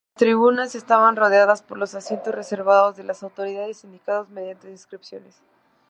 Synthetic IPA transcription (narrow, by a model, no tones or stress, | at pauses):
last̪ɾiβunase̞st̪aβanro̞ð̞jaðaspo̞ɾlo̞sasje̞nt̪o̞sre̞se̞ɾβaðo̞zðe̞lasawt̪o̞ɾiðaðesind̪ikaðozmeðjant̪eðinskɾipsjo̞nes